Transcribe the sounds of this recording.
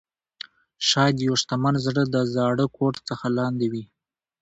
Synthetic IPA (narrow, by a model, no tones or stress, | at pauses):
ʃɑjad̪joʂt̪amanzɽəd̪əzɑɽəkʰoʈt͡səxalɑnd̪ewi